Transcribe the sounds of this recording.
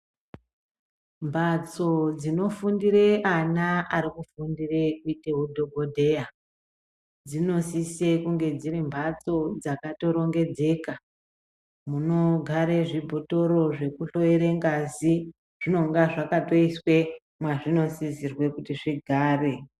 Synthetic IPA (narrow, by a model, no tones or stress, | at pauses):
mbʱat͡so̞d͡zino̞fundire̞anaaɾikufundire̞kuite̞ɦudʱo̞ɡʱodʱe̞a | d͡zino̞sise̞kuŋɡe̞d͡ziɾimbʱat͡so̞d͡zakato̞ɾo̞ŋɡe̞d͡ze̞ːka | muno̞ɡʱaɾeʐibʱo̞to̞ɾo̞ʐe̞kuɬo̞eɾeŋɡazi | ʐ̥ino̞ŋɡaʐakato̞iswe̞ | mwaʐino̞sisirwe̞kutiʐiɡʱaːre̞